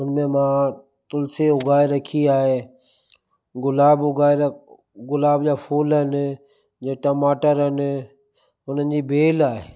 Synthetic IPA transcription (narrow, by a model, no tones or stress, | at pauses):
ʊnmẽmãː | t̪ʊlseʊɡʱaːeɾəkʰiaːɦeː | ɡʊlaːbʊɡaːe | ɡʊlaːbd͡ʒaːfʰuːlɦən | d͡ʑeːʈəmaːʈəɾɦən | ʊn̤ənɪd͡ʑiːbʱeːlaːɦeː